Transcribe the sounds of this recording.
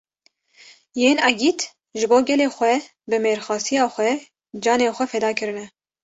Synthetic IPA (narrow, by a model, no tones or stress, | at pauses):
jeːnɑɡiːt̪ | ʒɨboːɡɛleːxʷɛ | bɨmeːɾxɑːsijɑːxʷɛ | d͡ʒɑːneːxʷɛfɛd̪ɑːkʰɨɾɨnɛ